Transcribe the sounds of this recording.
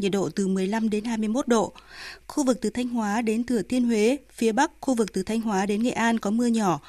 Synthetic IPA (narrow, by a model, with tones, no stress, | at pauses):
ɲḭ˧˩t̚ɗo̰˧˨t̪ɨ˨˩mɨ˨˩əjla˧mɗe˨˦nɦaː˧jmɨ˧əjmo˦˥t̚ɗo̰˧˨xu˧vɨ˨˩k̚t̪ɨ˨˩t̪ʰa˧jŋ̟ɦwaː˨˦ɗe˨˦nt̪ɨ˨˩ət̪ʰi˧ənɦwe˨˦fi˨˦əɓa˦˥k̚xu˧vɨ˨˩k̚t̪ɨ˨˩t̪ʰa˧jŋ̟ɦwaː˨˦ɗe˨˦nŋḛ˧˨ʔaː˧nkɔ˨˦mɨ˧əɲɔ˧˩